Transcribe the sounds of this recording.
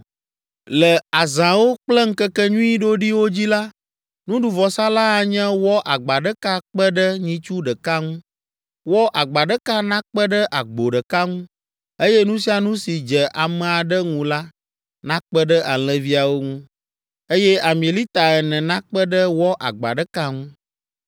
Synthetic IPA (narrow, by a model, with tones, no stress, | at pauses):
lə˨a˨zã˨wo˦k͡plə˦ŋ̩˦kə˦kɛ˦ɲũ˦i˦ɖo˦ɖi˦wo˦d͡ʑi˦la˦ | nũ˦ɖu˨vɔ˨sa˦la˦a˨ɲɛ̃˦wɔ˦ʔa˨ɡ͡ba˨ɖə˦ka˦k͡pə˦ɖə˦ɲĩ˦t͡ʃu˦ɖə˨ka˦ŋũ˦ | wɔ˦ʔa˨ɡ͡ba˨ɖə˦ka˦nã˦k͡pə˦ɖə˦ʔa˨ɡ͡bo˨ɖə˨ka˦ŋũ˦ | e˦jɛ˦nũ˦si˦a˨nũ˦si˨d͡ʒɛ˨ʔa˨mɛ̃˨a˨ɖə˦ŋũ˨la˦ | nã˦k͡pə˦ɖə˦ʔa˨l̃ɛ̃˨vi˦a˨wo˦ŋũ˦ | e˦jɛ˦a˨mĩ˨e˨li˦t̪a˨ɛ˨nɛ̃˨nã˦k͡pə˦ɖə˦wɔ˦ʔa̰˨ɡ͡ba̰˨ɖə˦ka˦ŋũ˦